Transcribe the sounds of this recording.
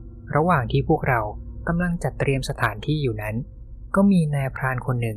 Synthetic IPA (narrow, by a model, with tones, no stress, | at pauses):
ɾʔa˧waː˨˩ŋt̪ʰiː˥˩pʰu˥˩ək̚ɾa˧wka˧mla˧ŋt͡ɕa˨˩t̪ːɾi˧əmsa˧t̪ʰaː˩˦nt̪ʰiː˥˩juː˨˩na˦˥n | kɔː˥˩miː˧naː˧pʰɾaː˧nkʰo˧nːɯ˨˩ŋ